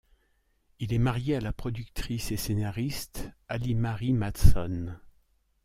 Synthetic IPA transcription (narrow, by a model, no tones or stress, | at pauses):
ilɛmaʁjealapχɔd̪yk̚t̪χisesenaʁist̪alimaʁimat̪sɔn